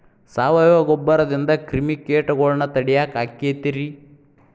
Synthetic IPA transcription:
saːʋɐjʋɐɡɔbːɐɾɐd̪ind̪ɐkɾimikeːʈɐɡoɭnɐt̪ɐɽijakaːkːet̪iɾi

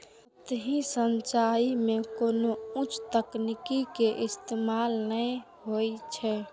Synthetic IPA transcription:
t̪ɦĩsənt͡ʃaimekonoũt͡ʃʰt̪əknikikeʔɪst̪emalnə | ɦojt͡ʃʰɛ

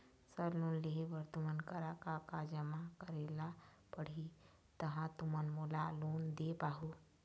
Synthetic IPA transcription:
səɾloːnleɦeʋəɾt̪umənkəɾakakad͡ʒəmakəɾeːla | pəɽ̤i | t̪ɐɦãt̪umənmoːlaloːnd̪epaːɦu

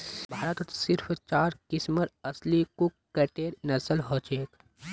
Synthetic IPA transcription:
bʱaːɾət̪t̪sɪɾpʰt͡ʃaːɾkɪsməɾɐslikukːəʈeːɾnɐsəlɦoːt͡ʃeːk

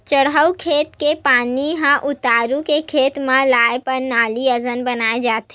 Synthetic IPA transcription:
t͡ʃəɽɦəwkʰeːt̪kepaːniɦãʔʊt̪aːɾũkekʰet̪mãlajpəɾnaːliəzənbənaːed͡ʒaːt̪e

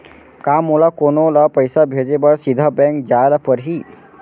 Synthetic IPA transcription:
kamːolakonolapəjsabʱed͡ʒebəɽsid̪ʱəbɛ̃ŋk̚d͡ʒaːlapəɾɦi

